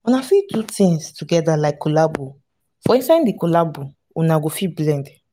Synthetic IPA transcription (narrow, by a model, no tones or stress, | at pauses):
unafitutĩŋstuɡɛdalaɪkːolabu | fɔĩnsaĩndikolabu | unaɡofiblɛ̃nd